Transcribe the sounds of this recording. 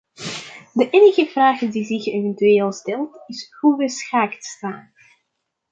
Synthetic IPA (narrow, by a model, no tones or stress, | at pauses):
dəʔeːnəɣəv̥raːχdizɪxeːvɛntyeːlˠstɛlˠtɪshuʋəsxaːktstaːn